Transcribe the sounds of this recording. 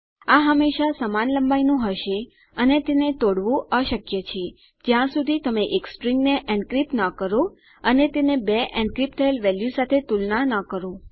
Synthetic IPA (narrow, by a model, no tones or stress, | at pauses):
aɦəmːeʃasəmanləmbajnũɦəʃe | ənet̪enet̪oɽʋũəʃəkjət͡ʃʰe | d͡ʒjãsud̪ʱit̪əmeʔekspɾiŋɡneʔɛ̃ɳɖkɾipnəkəɾo | ənet̪enebeʔɛ̃ɳɖ̚kɾip̚t̪ʰəelʋɛljusat̪ʰet̪ulnanəkəɾo